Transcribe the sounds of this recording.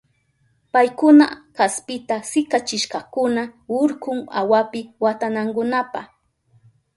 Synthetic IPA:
pajkʊna̰kaspɪt̪asɪkat͡ʃɪʃkɑkʊnaʊɾkʊŋa̰wapɪwat̪anaŋkʊnapaχ

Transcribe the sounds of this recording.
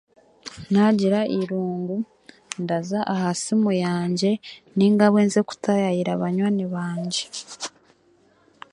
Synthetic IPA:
naɟiɾaʔiɾuːŋɡu | ndazaʔahasimujaːɲɟe̞niŋɡaβweːnzeku̥tajajiɾaβaɲwaːniβaːɲɟe̞

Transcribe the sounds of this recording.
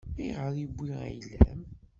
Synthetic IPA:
iʁəɾˤibʷːiʁæ̰jlːæm

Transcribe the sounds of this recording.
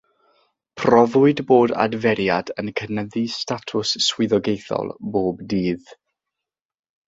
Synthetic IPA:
pʰrɔvʊɨdboːda̰dvɛɾjadənkʰənəðistatʰʊsːwɪðɔɡejθɔ̰lˠboːbdiːð

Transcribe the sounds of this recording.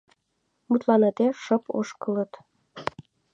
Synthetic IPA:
mut̪lɑnɑt̪eʃəpo̰ʃkə̆lə̆t̪

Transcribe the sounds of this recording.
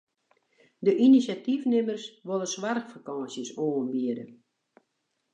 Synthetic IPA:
dəʔinisjatifnɪmərsʋolˠəswarxfakɑːsjəsoːənbiədə

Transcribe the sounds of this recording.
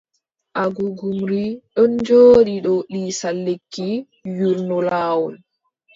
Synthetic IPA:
ʔaɡuɡumɾiɗɔnd͡ʒoːɗiɗɔɗiːsalːekːi | juɾnɔlaːwɔl

